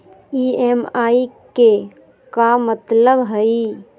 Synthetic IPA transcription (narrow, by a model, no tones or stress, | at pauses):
iemaːike | kamət̪ləbɦəi